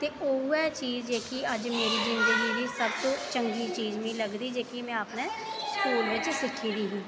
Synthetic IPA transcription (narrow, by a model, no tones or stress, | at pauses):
t̪eːʔoːɛːt͡ʃiːzd͡ʒeːkiəd͡ʒmeːɾiːd͡ʒɪ̃nd̪əɡid̪iːsəbt̪õːt͡ʃə̃ŋɡiːt͡ʃiːzmĩːləɡd̪iːd͡ʒeːkimɛ̃aːpnẽːskuːlʋɪt͡ʃsɪkʰiːd̪iːɦĩː